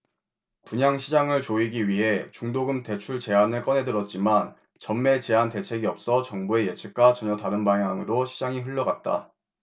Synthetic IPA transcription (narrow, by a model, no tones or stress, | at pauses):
puɲaŋɕʰid͡ʑaŋɯɭt͡ɕoiɡiɥiɦe̞t͡ɕuŋdoɡɯmte̞t͡ɕʰuɭt͡ɕe̞anɯɭk͈ʌnɦe̞dɯɾʌt̚t͡ɕ͈iman | t͡ɕʌmme̞t͡ɕe̞ɦante̞t͡ɕʰe̞ɡiʌp̚s͈ʌt͡ɕʌŋbue̞je̞t͡ɕʰɯk̚k͈at͡ɕʌɲʌtaɾɯnbaŋjaŋɯɾoɕʰid͡ʑaŋiɸɯʎːʌɡat̚t͈a̰